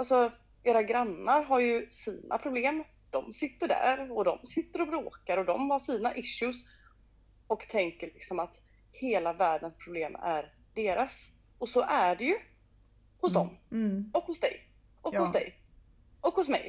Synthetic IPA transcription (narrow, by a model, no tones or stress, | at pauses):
alsɔ | eːɾaɡɾanːaɾɦaɾjɵsiːnʔa̰pʰɾʊbleːm | d̪̥ɔmsɪt̪ːəɖæ̰ɾɔd̪ɔmsɪt̪ːəɾɔbɾoːkaɾɔd̪ɔmhaʂiːnaʔɪʃʊs | ɔkt̪ʰɛŋkəlɪksɔmat̪ | heːlavæːɖənspʰɾʊbleːmæ̰ɾ | ɖeːɾas | ɔsɔʔæɖɛjɵ | hʊsd̪ɔ̰mɔkhʊsd̪ɛ̰j | ɔkhʊsd̪ɛ̰j | ʔɔkhʊs̬mɛ̰j